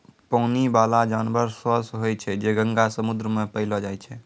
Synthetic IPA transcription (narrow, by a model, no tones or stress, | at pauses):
pəʊnibalad͡ʒanbəɾsəsɦojt͡ʃʰɛd͡ʒeɡə̃ŋɡasəmud̪ɾəmepəɪlɔd͡ʒajt͡ʃʰɛ